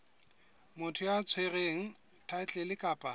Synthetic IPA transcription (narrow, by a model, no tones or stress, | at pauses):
mʊtʰʊjat͡sʰwereŋ̩ | tʰat͡ɬʼɛlɪkʼaːpʼa